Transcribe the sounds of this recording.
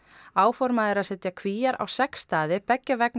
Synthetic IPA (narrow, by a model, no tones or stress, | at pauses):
aːwfɔɾmaðɪɾaðsɛt̪jakʰviːjaɾa̰wsɛkst̪aːðɪpɛcːavɛkn